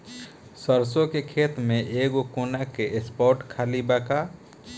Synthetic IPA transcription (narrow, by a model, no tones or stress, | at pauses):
səɾsokekʰet̪meʔeɡokonakeʔespɔɾʈkʰalibaka